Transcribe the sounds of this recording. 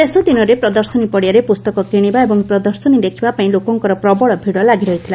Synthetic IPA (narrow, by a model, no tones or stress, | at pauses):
t̪esɔd̪inɔɾepɾɔd̪ɔɾsɔnipɔɽjaɾepust̪ɔkɔkiɽ̃ibaebɔŋpɾɔd̪ɔɾsɔnid̪ekʰibapaĩlokɔŋkɔɾɔpɾɔbɔɭɔbʱiɽɔlaɡiɾɔɦit̪ʰila